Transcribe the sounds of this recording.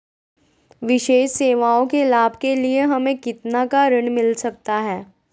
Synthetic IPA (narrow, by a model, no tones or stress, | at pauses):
ʋɪʃeːʃseːʋaːõkelaːbʱkelieɦɐmẽkɪt̪nakaɾɪɽ̃mɪlsɐk̚t̪aɦɛː